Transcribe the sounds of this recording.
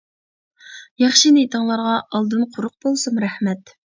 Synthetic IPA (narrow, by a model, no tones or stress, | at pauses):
jɑχʃinet̪ʰəŋlˠɑɾʁɑɑlˠd̪ɨnqʰʊɾʊq̚bolˠsumɾɛhmɛt̪